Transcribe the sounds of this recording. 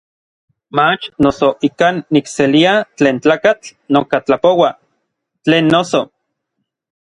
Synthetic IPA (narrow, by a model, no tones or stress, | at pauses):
mat͡ʃnosoʔikanːikseliat͡ɬeːnt͡ɬaːkat͡ɬnokat͡ɬapowa | t͡ɬeːnːoso